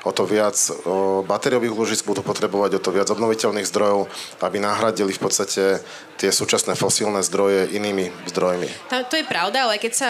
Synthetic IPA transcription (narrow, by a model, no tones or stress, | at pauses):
ɔt̪ɔʋɪat͡sbat̪ɛɾiɔʋiːɣulɔʒizɡ̚bud̪uːpɔt̪ɾɛbɔʋaɟɔt̪ɔʋɪad͡zɔbnɔʋicɛlniːɣzd̪ɾɔjɔʊabinaɦɾaɟilifpɔt̪st̪acʰɛ | t̪ɪɛsuːt͡ʃasnɛfɔsilnɛzd̪ɾɔjɛʔiniːmizd̪ɾɔjmḭt̪amt̪ɔjɛpɾaʊd̪aalɛkɛcsa